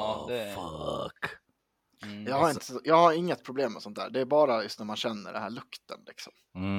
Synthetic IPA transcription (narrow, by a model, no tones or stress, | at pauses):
fk | jɑːɡhaɾɪnt̪əjɑːɡhaɾɪŋːət̪̚pʰɾʊbleːmːɛsɔnt̪hæ̰ːɖɛæbɑːɾajɵst̪næɾmanɕɛnːə̰ɖɛnhæːɭɵkt̪ənlɪksɔ̰m